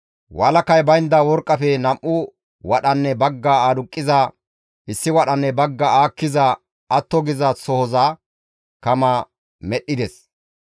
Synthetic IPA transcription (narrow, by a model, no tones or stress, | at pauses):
wʔɐːlɐkɐjbɐjnd̪ɐwɔɾkʼːɐfɛnɐmʔʊ | wɐɗɐnːɛbɐɡːaaːd̪ʊkʼːɪza | ʔɪsːɪwɐɗɐnːɛbɐɡːɐaːkːɪzɐ | ɐt̪ːɔɡɪzɐsɔhɔzaː | kɐmɐ | mɛɗːɪd̪ɛs